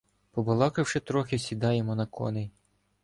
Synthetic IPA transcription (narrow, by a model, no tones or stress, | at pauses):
pɔbɐlˠɑkɪwʃɪt̪ɾɔxʲɪsʲid̪ɑjemɔnɐkʰɔ̰nɪ